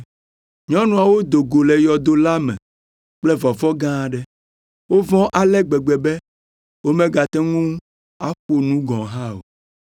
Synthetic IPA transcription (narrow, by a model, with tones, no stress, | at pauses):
ɲɔ̃˦nũ˨a˨wo˦d̪o˨ɡo˨lɛ˨jɔ˨d̪o˨la˦mɛ̰̃˨ | k͡plɛ˦vɔ˨vɔ˦ɡã˦˨ɖɛ˦ | wo˦vɔ̃˦ʔa˨lɛ˦ɡ͡bɛ˨ɡ͡bɛ˨bɛ˦ | wo˦mɛ̃˦ɡa˨t̪ɛ˦ŋũ˦ | a˦ɸu˦o˨nũ˦ɡɔ̃˨ɦã˦o̰˨